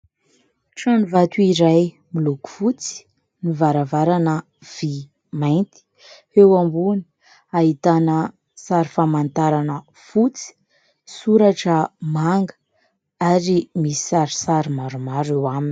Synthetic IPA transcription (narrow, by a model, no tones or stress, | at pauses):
ʈ͡ʂanuvat̪uiɾaj | miluku̥fut͡si̥ | nivaɾavaɾanə | v̥i | majnt̪i̥ | ewambuni̥ | aɦit̪anə | saɾifamant̪aɾanə | fut͡si̥ | suɾaʈ͡ʂəmaŋɡə̥ | aɾimisi̥saɾisaɾimaɾumaɾewamin